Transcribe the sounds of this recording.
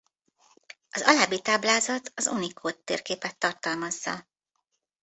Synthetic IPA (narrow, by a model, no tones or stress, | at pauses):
ɒzɒlaːbit̪aːblaːzɒt̪ɒzunikʰoːt̪ːḛːrkeːpɛt̪ːɒrt̪ɒlmɒzːɒ̰